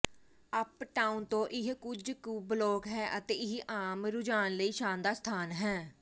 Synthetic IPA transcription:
əpʈaːunt̪õːʔɪɦkʊd͡ʒkuːbloːkɦɛːʔət̪eːɪɦiʔaːmɾʊd͡ʒaːnləiːʃaːnd̪aːst̪ʰaːnɦɛː

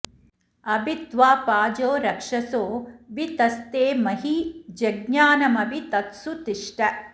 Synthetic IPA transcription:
ɐbit̪ʋaːpaːd͡ʒoːɾɐkʂɐsoːʋit̪ɐst̪eːmɐɦid͡ʒɐɡnaːnɐmɐbit̪ɐt̪sut̪iʂʈɐ

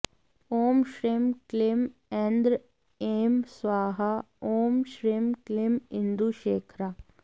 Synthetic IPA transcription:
oːmʃɾimklɪmɛ̃nd̪ɾ | eːmsʋaːɦa | oːmʃɾiːmklɪmɪ̃nd̪uʃeːkʰɾaː

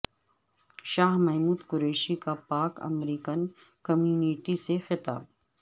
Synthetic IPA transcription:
ʃaːɦmɛɦmuːd̪kʊɾeːʃikapaːkɐ̰mɾiːkən | kɐmjuːniːʈisexɪt̪a̰ːb̚

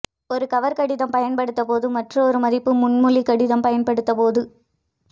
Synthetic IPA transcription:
ɔɾɯkɐʋɐɾkɐɽɪðɐmpɐjɐnpɐɽɯt̪ːɐpoːðɯmɐʈrɯɔɾɯmɐðɪpːɯmʊɳmʊɭikɐɽɪðɐmpɐjɐnpɐɽɯt̪ːɐpoːðɯ

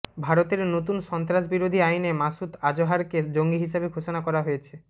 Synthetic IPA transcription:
bʱaɾot̪eɾnot̪unʃɔnt̪ɾaʃ̬biɾod̪ʱiajnemasut̪ad͡ʑoɦaɾked͡ʑoŋɡiɦiʃabeɡʱoʃonakɔɾaɦojet͡ɕʰe

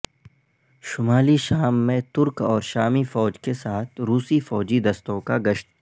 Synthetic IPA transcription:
ʃʊmaːliʃaːmːẽt̪ʊɾkɔːɾʃaːmifɔːd͡ʒkesaːt̪ʰɾuːsifɔːd͡ʒid̪ɐst̪õkaɡɐʃt̪

